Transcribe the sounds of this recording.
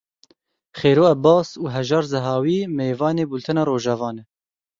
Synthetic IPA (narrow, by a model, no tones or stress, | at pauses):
χeːɾoːɛbɑːsuːɦɛʒɑːɾzɛɦɑːwiːmeːvɑːneːbult̪ʰɛnɑːɾoːʒɑvɑːnɛ